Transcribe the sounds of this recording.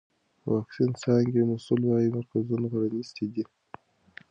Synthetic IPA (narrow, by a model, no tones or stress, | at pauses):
wʔɑksinsɑŋɡemasulwɑjimaɾkazunaɣaɽanist̪id̪i